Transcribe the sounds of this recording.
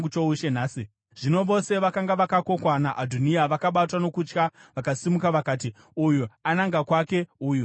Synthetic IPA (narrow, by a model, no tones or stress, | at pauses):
ut͡ʃouʃenaːsi | ʐ̥ino̞ʋo̞se̞ʋakaŋɡaʋakako̞kwanaʔadʱuniaʋakaɓatwano̞kut͡ʃkaʋakasimukaʋakaːt̬i | ujuanaŋɡakwake̞uːju